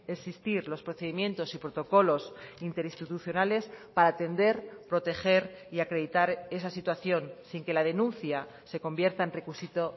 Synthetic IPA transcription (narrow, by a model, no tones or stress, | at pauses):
esist̪iɾlo̞spɾo̞θe̞ð̞imjẽ̞nt̪o̞sipɾo̞t̪o̞ko̞lo̞sint̪e̞ɾist̪it̪uθjo̞nale̞spaɾaːt̪e̞nd̪e̞ɾpɾo̞t̪e̞xe̞ɾiakɾe̞ðit̪aɾe̞sasit̪waθjo̞nsiŋke̞lað̞e̞nũnθja | se̞ko̞mbje̞ɾt̪aenre̞kusit̪o̞